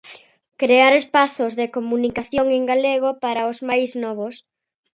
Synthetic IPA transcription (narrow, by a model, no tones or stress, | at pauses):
kɾeaɾespaθozðekomunikaθjoŋeŋɡaleɣ̞opaɾaʊzmajznɔβ̞os